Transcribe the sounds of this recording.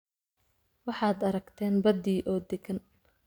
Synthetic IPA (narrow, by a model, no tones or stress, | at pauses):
wɑħɑːd̪ɐɾɐɡt̪ʰɛːnbɐd̪iːʔɔːd̪ɛɡɐn